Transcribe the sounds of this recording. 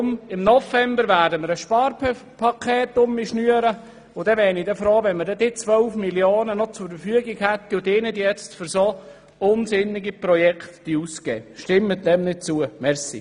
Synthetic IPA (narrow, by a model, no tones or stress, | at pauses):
mɪmnɔfɛmbəɾʋæːɾdəməɾəsʃpɑːrppʰɑkʰeːt̪ʊmiʃnyəɾə | ʊd̥ɛʋɛːnidɛfɾoːʋɛnməɾdɛd̥ɪt͡sʋœʊfmiljoːnənɔt͡sʊɾfəɾfyəɡɪɡhæt̪ːiʊdɪːnədijɛt͡stfyɾso | ʊnsɪnːɪɡipɾɔjɛktd̥iuskɛ̰ːʃtɪmːətdɛmnɪd̚t͡suəmɛɾsḭ